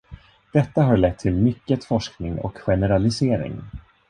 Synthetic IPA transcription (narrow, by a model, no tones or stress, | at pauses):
d̪̥ɛt̪ːaɦaɾɭɛt̪ʰːɪlmʏkːət̪fɔʂknɪŋɔ̰kɧɛnɛɾalɪseːɾɪ̰ŋ